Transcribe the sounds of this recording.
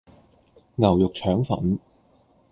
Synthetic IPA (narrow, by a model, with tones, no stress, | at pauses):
ŋɐ˨˩wjʊ˨k̚t͡ʃʰœː˨˥ŋfɐ̰˨˩n